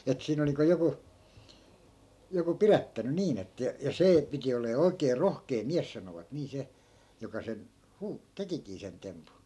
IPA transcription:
et siːn olĭ niːŋko joku joku pirætːæny niːn etːæ̆ jɑ jɑ seː piti olˑeː oi̯keː rohkeː miæs sɑnoʋɑt niː se jokɑ sen huː tekikiː sen tempu

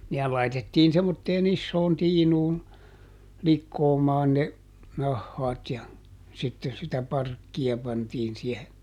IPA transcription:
nehæl lɑitetːiːn semːotːeːn isːoːn tiːnuːn likːoːmɑːn ne nɑhːɑːt jɑ sitːen sitæ pɑrkːiɑ pɑntiːn siehe

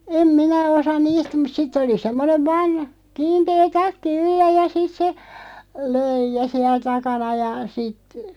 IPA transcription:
em minæ osɑ niːst mut sitː oli semːoneʋ ʋɑːn kiːnteː tɑkːi ylːæ jɑ sit se løijˑæ siɛl tɑkɑnɑ jɑ sit

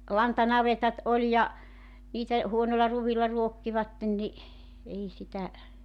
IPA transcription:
lɑntɑnɑʋetɑt olʲ jɑ niːtæ huonolːɑ ruʋilːɑ ruokːiʋɑtːen ni ei sitæ

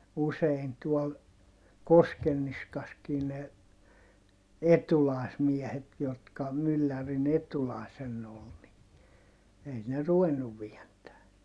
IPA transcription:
usein tuol koskenːiskɑskiː ne etulɑˑi̯smiɛhet jotkɑ mylːærin etulɑˑi̯senː ol ni ei ne ruʋenːuʋ ʋientæː

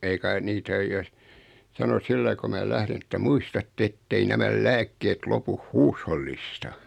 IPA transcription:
ei kɑi nitæ oj jos sɑno silːɑi ko mæː læhrin etːæ muistɑtːe etːei næmæl læːkːeːt lopuh huːsholːistɑ

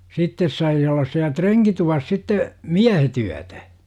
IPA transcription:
sitːes sɑi olːɑs siæ treŋkituʋɑs sitːe miæhet yætæ

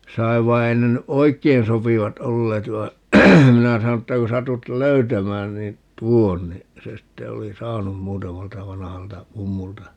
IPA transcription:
sɑiʋ ʋɑi ei ne ny ʔoi̯kːein sopiʋɑt olːeːt ʋɑi̯ minæ sɑno tːæ ku sɑtut løytæmæːn niːn tuon ni se sitːe oli sɑːnum muːtɑmɑltɑ ʋɑnɑhɑltɑ mumːultɑ

